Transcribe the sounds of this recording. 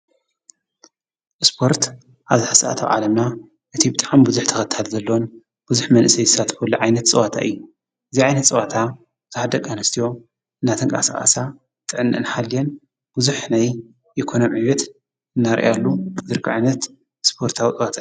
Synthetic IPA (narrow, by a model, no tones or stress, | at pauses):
ʔspʰo̞ɾt̪ | ʔaβzɨħasaʔa̰t̪ʰa̰wʕa̰lɐmna | ʔɨt̪ʰibɨt̪ʼaʕamibɨzuħt̪ʰɐxɐt̪ʰalzɐlːowon | b̥ɨzuħmɐnʔɨsɐjzɨsat̪ʰkulːuʕajnɐt̪t͡sʼɨwat̪ʰa̰ʔɨ̰jːu | ʔɨziʕajnɐt̪t͡sʼɨwat̪ʰa | zɨhad̪ɐkʼanɨst̪ʰijo̞ | ɨnːat̪ʰɨŋkʼa̰sa̰kʼa̰sa | t̪ʼɨʕɨnːʔɨ̰nħalːijen | b̥uzuħnajː | ɪkʰonomʕiwɛt̪ | ɨnːaɾ̰ʔalːubɨd̪ɨɾkʰiʕajnɐt̪ | spʰo̞ɾt̪ʰawit͡sʼɨwat̪ʰaː